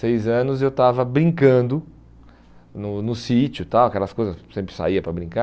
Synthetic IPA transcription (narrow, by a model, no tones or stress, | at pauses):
sejzɐ̃nʊzewt̪avɐbɾĩŋkɐ̃d̪ʊ | nʊnʊsit͡ʃʊt̪awɐkɛlɐskojzɐssẽmpɾɪ̥sa̰iɐpɾɐbɾĩka